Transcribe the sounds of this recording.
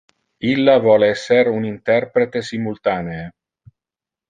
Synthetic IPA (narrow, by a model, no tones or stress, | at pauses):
ilːavɔːleɛsːeɾunint̪ɛrpɾet̪esimult̪aːneː